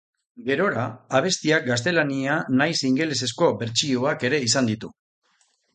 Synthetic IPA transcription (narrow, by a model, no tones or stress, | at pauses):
ɡe̞ɾo̞ɾaːβ̞e̞st̪iak̚ɡas̬t̪e̞lanianajsiŋɡe̞lese̞sko̞be̞ɾt͡ʃioake̞ɾe̞isand̪it̪u